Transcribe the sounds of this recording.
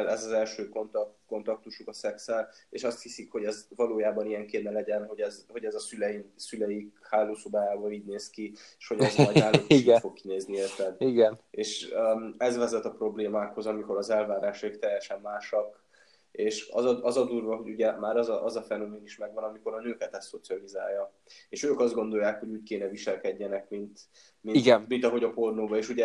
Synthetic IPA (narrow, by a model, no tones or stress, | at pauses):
lɛzɒzɛlʃøːkont̪ko̞nt̪ɒk̚t̪uʃukɒsɛksɛleːʃɒst̪hisikho̞ɟɛzvɒloːjaːbɒnijɛŋkeːnɛlɛɟɛnɦo̞ɟɛzho̞ɟɛzɒsylɛjinsylɛjikhaːloːso̞baːjaːbɒiːɟneːskieʃho̞ɟɛzɒɟnaːluokʃfo̞kkːineːzniest̪ɛd̪iɡɛneːʃøɛzvɛzɛt̪ɒpro̞bleːmaːkho̞zɒmiko̞ɾɒzɛlvaːɾaːʃɒikt̪ɛjːɛʃɛmːaːʃɒk | eːʃɒ̰zɒɒzɒd̪uːrvɒɦo̞ɟuɟɛmaːɾɒzɒʔɒzɒfɛno̞meːniʃmɛɡvɒnɒmiko̞ɾɒnøːkɛt̪ɛstːo̞t̪siɒliza̰ːjːɒ | eːʃøːkɒzd̪ɡo̞nd̪o̞jːaːkho̞ɟuːc̚keːnɛviʃɛlkɛɟːɛnɛkmint̪ | miiɡɛnmint̪ɒɦo̞ɟɒpo̞rnoːbɒeːʃuɟɛ